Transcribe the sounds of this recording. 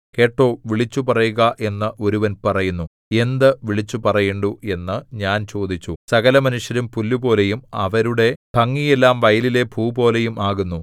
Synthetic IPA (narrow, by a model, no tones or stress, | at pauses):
ke̞ːʈːo̞ːʋiɭit͡ɕːupɐrɐjuɣɐʔe̞nːɐʔo̞ɾuʋɐnpɐrɐjunːu | e̞nd̪ɨʋiɭit͡ɕːupɐrɐjeɳɖue̞nːɨɲaːnt͡ɕo̞ːd̪ʱit͡ɕːusɐɣɐlɐmɐnuʂjɐɾumpulːubo̞ːle̞jumɐʋɐɾuɽe̞b̥ʱɐŋːijelːaːmʋɐjlile̞bʱuːbo̞ːle̞jumaːɣunːu